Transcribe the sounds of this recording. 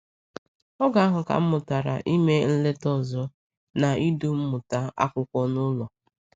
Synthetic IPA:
ɔ˦ɡa˦a˦ɦʊ˨ka̰˨m̩˦mʊ˨ta˨ɾa̰˨ʔi˦me˦n̩˦le˦tɔ˦zɔ˦ | na˨i˦du˦m̩˦mʊ˨ta˦a̰˦kʷʊ˦kʷɔ˦nʊ˦lɔ˨

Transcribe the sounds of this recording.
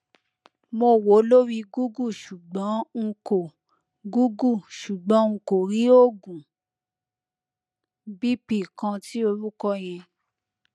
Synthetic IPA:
mo˧wo˨˦lo˦ɾi˧ɡu˦ɡu˦˨ʃu˨ɡ͡bɔ̃˨˦ŋ̩˧ko˨ | ɡu˦ɡu˦˨ʃu˨ɡ͡bɔ̃˨˦ŋ̩˧ko˨ɾi˨˦o˦˨ɡũ˨ | bi˦pi˦˨kã˧ti˦o˧ɾu˦kɔ˦j̃ɛ̃˧

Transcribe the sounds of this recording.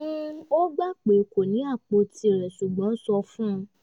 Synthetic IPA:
ũ˦o˦ɡ͡ba˦k͡pe˨ko˨nĩ˨˦a˦˨k͡po˧ti˧˦e˨ɾɛ˨ʃu˨ɡ͡bɔ̃˨˦sɔ˧fũ˦˧

